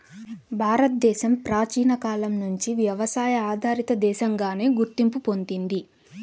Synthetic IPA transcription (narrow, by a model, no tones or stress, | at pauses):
bʱaːɾɐt̪̚d̪ɛːʃɐmpɾaːt͡ʃiːnɐkaːlɐmnuɲt͡ʃiʋjɐʋɐsaːjɐaːd̪ʱaːɾit̪ɐd̪ɛːʃɐŋɡaːne̞ːɡuɾt̪impupo̞nd̪ind̪i